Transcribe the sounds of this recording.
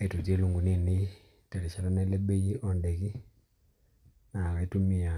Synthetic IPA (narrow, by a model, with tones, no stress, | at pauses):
e˨tu˨d͡ʒe˦lu˨ŋɡu˨ne˨ni˦ | tɛ˨ɾi˨t͡ʃa˨ɾa˦nɛ˦lɛ˦be˦ji˦ʔɔ˨ndɛ˨ki˦ | na˨ka˨i˦tu˦mi˨a˨